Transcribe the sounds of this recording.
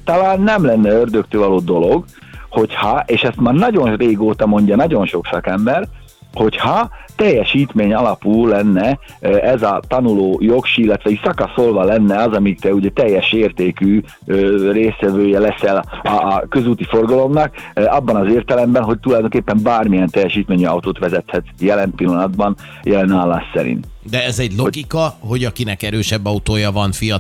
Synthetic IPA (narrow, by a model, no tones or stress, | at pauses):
t̪ɒlaːnːɛmlɛnːɛørd̪økt̪øːvɒloːd̪o̞lo̞ɡ | ho̞chɒʔeːʃɛst̪maːrnɒɟo̞nreːɡoːt̪ɒmo̞ɲɟɒnɒɟo̞nʃo̞ksɒkɛmbɛr | ho̞chɒt̪ɛjːɛʃiːt̪meːɲɒlɒpulɛnːɛ | ʔɛzɒt̪ɒnuloːjo̞kʃiilːɛt̪ʋɛicsɒkɒso̞lvɒlɛnːɛɒzɒmikt̪ɛuɟɛt̪ɛjːɛʃeːrt̪eːkyː | øreːsʋɛvøːjɛlɛsɛlːkø̞zuːt̪ifo̞rɡɒlo̞mnɒkɒbːɒnɒzeːrt̪ɛlɛmbɛnɦo̞c̚t̪ulɒjd̪o̞ŋkeːpːɛmbaːrmijɛnt̪ɛjɛʃiːt̪meːɲiɒ̰wt̪oːt̪ʋɛzɛt̪hɛt̪jɛlɛnpilːɒnɒd̪bɒn | jɛlɛnaːlːaːssɛ̰ɾḭnt̪ | d̪ɛɛzɛɟloɡikɒɦo̞ɟɒkinɛkɛɾøːʃɛbːɒut̪oːjɒvɒnfijɒ